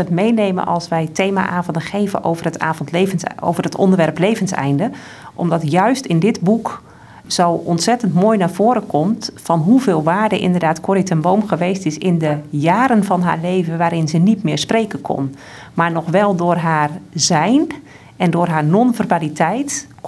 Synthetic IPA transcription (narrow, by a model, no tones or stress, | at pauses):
ɛtmejnejmə̰nʔɑ̰lˠsʋɛjtʰejma̰ʔaːvndəxeːvə̰nʔoːvərəta̰ːvɔntlevəo̰wvərətɔ̰ndərʋɛrplejvənsɛ̰jndə | ʔɔmdɔtjœɥstɪndɪtbuk | z̥owʔɔntsɛtəntmoːjnaːɹv̥oːɾəkʰɔmtfɔnɦuveːlˠʋaːɹdəʔɪ̰ndərdaːtkʰoɾitʰənboːmxəʋeːstɪsɪndəjaːɾənvɔnɦa̰ːɹleːvəʋaːɾɪnzənitmɪːɹspreːkənkʰɔ̰n | maɹnɔxʋɛlˠdʊːrɦaːrzɛjn | ʔɛndʊːrɦaːɹnɔnvɛrmalitʰɛjt